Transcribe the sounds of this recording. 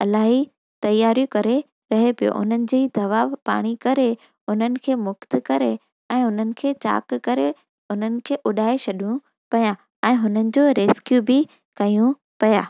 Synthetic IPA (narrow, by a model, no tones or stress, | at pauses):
ɐlaːɦi | t̪ɐjːaːɾijukɐɾe | ɾɐɦepijo̰ʔʊ̰n̤ənɪ̆d͡ʑiːd̪ɐʋapa̰ːɽ̃ikɐɾe | ʊnənɪ̆kʰeːmʊkt̪kɐɾe | ɛ̃ːʊnənɪ̆kʰeːt͡ɕa̰ːkkɐɾe | ʊnənɪ̆kʰeːʔʊɗaːeɕɐɗʱũ | pɐja | ɛ̃ːɦʊnənɪ̆d͡ʑoːɾeːskjubɪ | kɐjũ | pɐjaː